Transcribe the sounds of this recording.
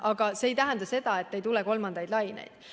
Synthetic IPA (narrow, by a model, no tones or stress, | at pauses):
ʔɑɡ̥ɑse̞ːjt̪æɦænd̪ɑse̞d̪̥ɑe̞t̪ːe̞jt̪uleko̞lmɑnd̪̥ɑjd̪lɑjnḛjd̪̥